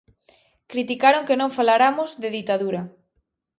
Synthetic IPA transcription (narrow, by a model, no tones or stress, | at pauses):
kɾit̪ikaɾoŋkenõŋfalaɾamʊzðeðit̪aðuɾa